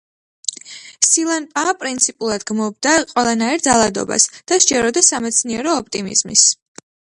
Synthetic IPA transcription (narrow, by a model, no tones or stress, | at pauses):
silˠanpʼapʼɾint̪sʰipʼulˠad̪ɡmɔb̚d̪aqʼwɛlˠanaiɾd̪zalˠad̪ɔ̰ba̰sd̪̥aʃd͡ʒɛɾɔd̪asamɛt̪sʰniɛɾɔːp̚ʰʼt̪ʼimḭz̥mḭs